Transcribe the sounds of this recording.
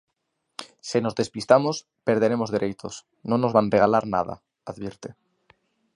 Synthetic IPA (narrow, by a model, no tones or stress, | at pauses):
senozðe̞spist̪amos | peɾð̞eɾemozðeɾejt̪ʰos | nõnozβanreɣ̞alaɾna̰ð̞a̰ | aðβiɾt̪e